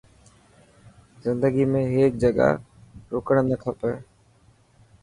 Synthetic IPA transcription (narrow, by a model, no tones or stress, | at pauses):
zɪ̃nd̪əɡimẽɦeːk̚d͡ʒɐɠa̰ | ɾoːkəɽ̃nɐkʰəpə